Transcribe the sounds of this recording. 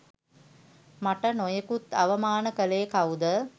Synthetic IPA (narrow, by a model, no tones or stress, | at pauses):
maʈənojəkut̪aʋəmaːnəkəleːkaud̪ə